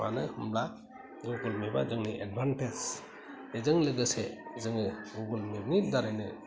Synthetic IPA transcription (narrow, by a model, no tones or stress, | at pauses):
ma̰nɯmla | ɡuɡulmeba̰zɯŋniʔedbʱanpʰes | ezɯŋlɯɡɯsezɯŋɯɡuɡulmebŋidaɾajnɯ